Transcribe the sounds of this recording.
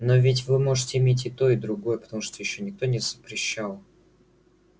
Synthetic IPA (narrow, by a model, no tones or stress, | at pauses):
novʲɪtʲvɨmo̞ʐɨtʲɪɪmʲet̬ʲɪt̪o̞ɪd̪ɾʊɡo̞jəpə̥t̪ɐmuʂt̪ojɪɕːonʲɪk̚t̪o̞nʲɪz̥əpɾʲɪɕːalˠ